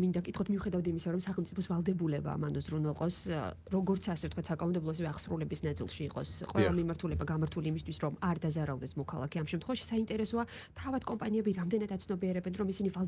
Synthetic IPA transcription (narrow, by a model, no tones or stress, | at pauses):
mind̪akʼit̪χɔt̪ʰmiuχɛd̪avd̪imisaɾɔmsaχɛlˠmt̪ʼipʰɔsvalˠd̪ɛbulɛba̰manɔzɾunɛlˠqʼɔs | ɾɔɡɔɾt̪sʰasɛvt̪̚ʰkʰwat̪sakʼanɔmd̪ɛblˠɔɛs̬ɛvɛaχsɾulɛbisnat̪sʼḭlˠʃiːqʼɔ̰sqʼwɛ̰lˠamimaɾt̪ʰulɛbaɡamaɾt̪ʰuliːmist̪ʰwisɾɔmaɾd̪azaɾalˠd̪ɛsmɔkʰalˠa̰kʰɛamʃɛmt̪χɛvaʃi̥saint̪ʼɛɾɛsɔat̪ʰavad̪̥kʼɔmpʼaniɛbiɾamd̪ɛnad̪at̪sʰnɔbiɛɾɛbɛnɾɔmisinivalˠ